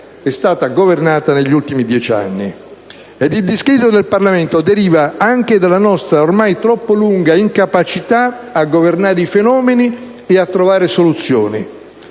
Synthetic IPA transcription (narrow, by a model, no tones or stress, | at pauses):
ɛst̪aːt̪aɡovernaːt̪aneʎːult̪imid̪jɛt͡ʃa̰nːi | ed̪ild̪iskɾiːt̪ːod̪elparlament̪od̪eɾiːvaaŋk̟ed̪alːanɔst̪ɾaormajt̪ɾɔpːoluŋɡaiŋkapat͡ʃit̪a | aɡːovernaːɾeifenɔːmeni | eat̪ːɾovaːɾesolut̪sːjoːni